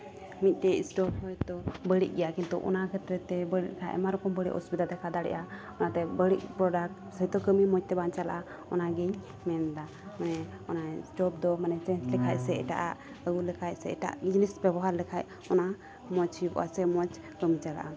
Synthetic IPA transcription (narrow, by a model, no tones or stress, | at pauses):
mit̪̚ˀt̪ɛsʈɔp̚hɔjd̪ɔbəɽḭʔ̚ˀɡɛjakint̪ṵʔɔ̰nakʰɛt̪ɾɛt̪ɛbəɽḭʔlɛkʰaʔʔɛ̰maɾɔkɔmbəɽḭʔɔ̰spit̪at̪ɛkad̪aɽɛ̰ʔa | ɔnat̪ɛbəɽiʔ̚pɾɔɖak̚ | səjt̪ɔkəmimɔc̚t̪ɛbant͡ʃala̰ʔa | ɔnaɡiɲ | mɛnd̪a | manɛ | ɔnasʈɔp̚d̪ɔmanɛt͡ʃɛnt͡ʃlɛkʰaʔ̚sɛɛ̰ʈa̰ʔaʔ | əɡulɛkʰac̚sɛɛʈa̰ʔd͡ʒnisbɛbɔɦaɾlɛkʰaʔ̚ | ɔna | mɔt͡ʃhijubɔ̰ʔa̰sɛmɔt͡ʃ | kəmit͡ʃala̰ʔa